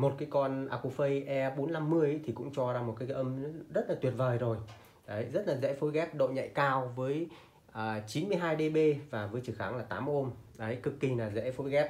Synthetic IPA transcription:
mo˨˩t̚kaː˨˦jkɔ˧nʔaː˧ku˧fə˧jʔɛ˧ɓo˨˦nna˧mːɨ˧əjʔt̪ʰi˨˩kʊ̰˧˥ŋ͡mt͡ɕɔ˧zaː˧mo˨˩t̚kaː˨˦ʔə˧m˨˦zə˦˥t̚laː˨˩t̪wi˨˩ət̚vəː˨˩jzo˨˩j | ɗə˨˦jzə˦˥t̚laː˨˩zɛ̰˧˥fo˨˦jɣɛ˦˥p̚ɗo̰˧˨ɲə̰˧˨jkaː˧wvəː˨˦j | ʔəː˨˩t͡ɕi˨˦nmɨ˧əjɦaː˧jɗe˧ɓe˧vaː˨˩vəː˨˦jt͡ɕɨ˨˧˩xaː˨˧˩ŋlaː˨˩t̪aː˨˦m˧ʔo˧mɗə˨˦jkɨ˨˩kːi˨˩naː˨˩zɛ̰˧˥fo˨˦jɣɛ˦˥p̚

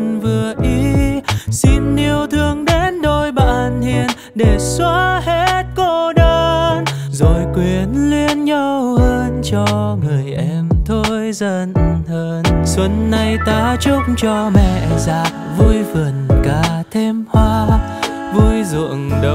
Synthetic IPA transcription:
nvɨ˨˩əʔi˧ | si˧nːi˧əwt̪ʰɨ˧əŋɗe˨˦nɗo˧˩jɓa̰ː˧˨nhi˧˨ən | ɗe˨˩swaː˧˦hɛ˧˥t̚ko˧ɗəː˧n | zo˨˩jkwi˨˩ənli˧ənɲə˧whəː˧nt͡ɕɔ˧ŋɨ˨˩əjʔɛ˧mt̪ʰo˧jzə˧n˧həː˧nswə˨˦nːa˧jt̪aː˨˧˦t͡ɕʊ˧˥k͡pŋ͡m̚t͡ɕɔ˧mɛ̰˧˨zaː˨˩k̚vu˧jvə˨˩nkaː˧˩t̪ʰe˧mhwaː˧ | vu˧jzṵ˧˨əŋɗ

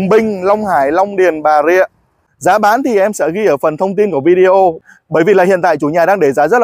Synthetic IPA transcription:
ŋ͡mɓï˧ŋ̟lɔ˧wŋ͡mhaː˧˩jlɔ˧wŋ͡mɗi˨˩ənɓaː˨˩zḭ˧˨ə | zaː˨˦ɓaː˨˦nt̪ʰi˨˩ʔɛ˧msɛ̰˧˥ɣi˧ʔəː˧˩fə˨˩nt̪ʰə˧wŋ͡mt̪i˧nku˧˩əvi˧ɗi˧ʔo˧ | ɓəː˧˩jvi˨˩laː˨˩ḭ˧˨ənt̪a̰ː˧˨jt͡ɕu˧˩˦ɲaː˨˩ɗaː˧ŋɗe˧˩zaː˨˦zə˦˥l

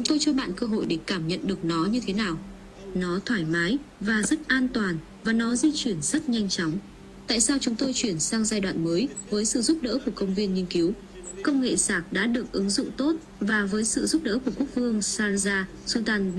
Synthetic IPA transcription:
t͡ɕʊ˨˦ŋ͡mt̪o˧jt͡ɕɔ˧ɓa̰ː˧˨nkəː˧ɦo̰˧˨jɗe˧˩kaː˧˩mɲə̰˧˨nɗɨ˨˩ək̚nɔ˨˦ɲɨ˧t̪ʰe˨˦naː˨˩w | nɔ˨˦t̪ʰwaː˧˩jmaː˨˦jvaː˨˩zə˦˥t̚ʔaː˧nt̪waː˨˩n | vaː˨˩nɔ˨˦zi˧t͡ɕwi˧˩ənz̥ə˦˥t̚ɲa˧jŋ̟t͡ɕɔ˨˦wŋ͡m | t̪a̰ː˧˨jsaː˧wt͡ɕʊ˨˦ŋ͡mt̪o˧jt͡ɕwi˧˩ənsaː˧ŋzaː˧jɗwa̰ː˧˨nməː˨˦jvəː˨˦jsɨ̰˧˨zu˦˥p̚ɗə̰ː˧˥ku˧˩əkə˧wŋ͡mvi˧ənɲi˧ənki˨˦w | kə˧wŋ͡mŋḛ˧˨saː˨˩k̚ɗa̰ː˧˥ɗɨ˨˩ək̚ʔɨ˨˦ŋzʊ̰˧˨ŋ͡mt̪o˦˥t̚ | vaː˨˩vəː˨˦jsɨ̰˧˨zu˦˥p̚ɗə̰ː˧˥ku˧˩əku˦˥ək̚vɨ˧əŋsaː˧nzaː˧ | su˧t̪aː˧n

